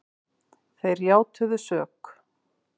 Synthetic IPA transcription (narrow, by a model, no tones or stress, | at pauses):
θejɾjaːwt̪ʰʏðʏsœːk